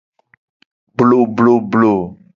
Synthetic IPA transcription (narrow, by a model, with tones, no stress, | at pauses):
blo˨blo˨blo˨